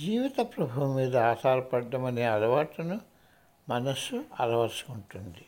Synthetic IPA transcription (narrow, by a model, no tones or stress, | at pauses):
d͡ʒiːʋit̪ɐpɾɐbʱuʋɐmːiːd̪ɐaːt̪ʰaːɾɐpɐɖːɐmɐneːɐlɐʋaːʈɐnu | mɐnɐsuɐ̰lɐʋɐɾsu̥uɳʈund̪i